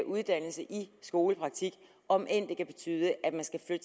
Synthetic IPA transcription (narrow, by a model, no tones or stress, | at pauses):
ʔuð̞ˠd̥æn̰l̩səʔisɡ̥o̝ːləpʰʁɑ̈ɡ̥̚t͡sʰiɡ̥ | ɒ̽mʔen̰d̥e̝kʰæb̥e̝t͡sʰy̰ːð̞ˠəʔæd̥mænsɡ̥æflød̥ə